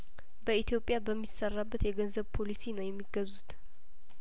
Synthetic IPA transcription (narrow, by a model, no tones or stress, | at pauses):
bəit̪ʰjo̞pʼːjabəmːisərːabːət̪jɛɡənzəβpʰo̞lisinəwjɛmːiɡəzut̪